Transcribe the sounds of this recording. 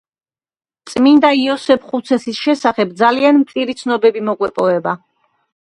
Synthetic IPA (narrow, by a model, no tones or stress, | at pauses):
t̪sʼmind̪aiɔsɛpʰχut̪sʰɛsisʃɛsaχɛb̚d̪zalianmt̪sʼiɾit̪sʰnɔbɛbimɔkʼwɛpʼɔvɛba